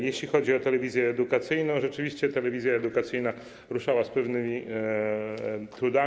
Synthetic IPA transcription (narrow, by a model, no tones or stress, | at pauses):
jeɕlʲixɔd͡ʑiɔt̪ɛlɛvʲizʲjɛːd̪ukat̪sɘjnɔ̃w̃ʐɛt͡ʂɘvʲiɕt͡ɕɛt̪ɛlɛvʲizʲjaɛd̪ukat̪sɘjna | ɾuʂawaspɛvnɘmʲi | t̪ɾud̪a